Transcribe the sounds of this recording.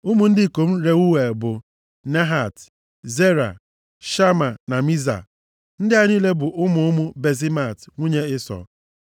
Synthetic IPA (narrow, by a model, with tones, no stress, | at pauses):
ʊ˦mu˦n̩˦dɪ˦˨ko˨m̩˦ɾe˨u˦we˨bʊ˨ | ne˦ɦa˨t | ze˦ɾa̰˨ | ʃa˦ma˨na˨mi˦za̰˨ | n̩˦dɪ˦a˦ɲ˦i˦le˦bʊ˨ʔʊ˦mʊ˨ʊ˦mʊ˦be˨zi˦ma˨tŋʷu˦ɲe˦ɪ˦sɔ̰˨